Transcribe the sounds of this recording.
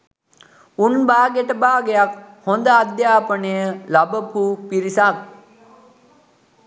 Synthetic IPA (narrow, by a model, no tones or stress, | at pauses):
unbaːɡeʈəbaːɡejakhond̪əad̪jaːpənəjəlabəpuːpiɾisat̪